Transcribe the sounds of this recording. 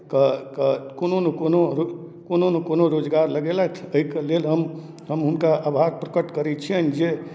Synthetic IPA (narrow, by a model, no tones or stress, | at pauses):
kəkəkononekonoɾo | kononekonoɾod͡ʒɡaɾləɡelat̪ʰəikelelɦəm | ɦəmɦunkaʔabʱaɾpɾəkəʈkəɾɛt͡ʃʰiənd͡ʒe